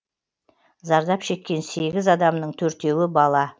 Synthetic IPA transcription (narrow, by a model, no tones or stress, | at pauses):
zɑɾd̪ɑpʃe̞kʲːe̞nse̞ɡʲɪzɑd̪ɑmnəɴt̪ʰɵɾt̪e̞wɪbɑlˠɑ